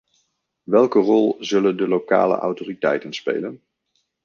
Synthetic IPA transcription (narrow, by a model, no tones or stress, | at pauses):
ʋɛlˠkərɔlˠzɵləndəlowka̰ːlə̰ʔɑ̰wtoːritɛ̰jtənspḛjlən